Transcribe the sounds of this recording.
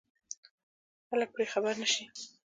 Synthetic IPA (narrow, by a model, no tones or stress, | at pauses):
xalək̚pɾexabaɾnaʃi